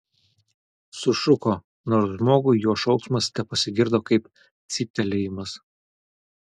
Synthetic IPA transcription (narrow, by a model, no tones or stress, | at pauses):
sʊʃʊkoː | noːɾsʒmoːɡʊɪjuɔʃɒʊksmɐst̪ʲɛpɐsʲɪɡʲɪɾd̪oːkɐɪp | t̪sʲit̪ʲɛlʲɛjɪmɐs